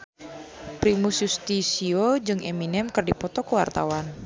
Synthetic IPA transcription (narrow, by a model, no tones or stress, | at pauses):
pɾimusjust̪isiod͡ʒɨŋʔeminɛmkərdipɔt̪ɔkəwa̰rt̪awan